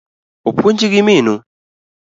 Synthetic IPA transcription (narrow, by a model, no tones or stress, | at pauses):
upʰuɲd͡ʒikiminu